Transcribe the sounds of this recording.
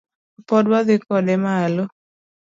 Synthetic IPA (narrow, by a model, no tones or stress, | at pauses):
pɔdwaðɪkɔdɛmalo